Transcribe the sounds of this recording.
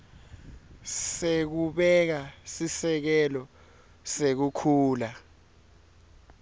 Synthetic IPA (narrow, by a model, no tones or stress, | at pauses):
sek̬uɓɛk̬asisɛk̬ɛlɔ | sek̬ukʰuːla